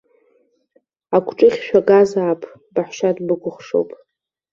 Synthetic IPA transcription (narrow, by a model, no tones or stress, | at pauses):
akʷʰʈ͡ʂʼɨχʲʃᶣaɡazaːpʼʰ | baħʷʃadbɨɡʷʊχʂo̰wpʼ